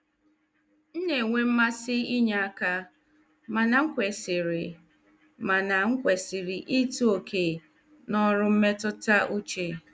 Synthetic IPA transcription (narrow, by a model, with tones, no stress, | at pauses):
n̩˦ne˨ŋʷe˦m̩˦ma˦sɪ˦i˦ɲa˦a˦ka˦ | ma˨na˨ŋ̩˦kʷe˨sɪ˨ɾɪ˨ | ma˨na˨ŋ̩˦kʷe˨sɪ˨ɾɪ˨ʔi˦tu˦o˨kʰe˨ | nɔ˦ɾʊ˦m̩˦me˦tʊ˦ta˦ʔu˦t͡ʃe˦˨